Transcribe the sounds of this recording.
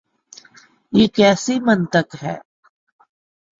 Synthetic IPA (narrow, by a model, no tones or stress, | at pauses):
jiːkɛːsiːmənt̪əkɦɛ̰ː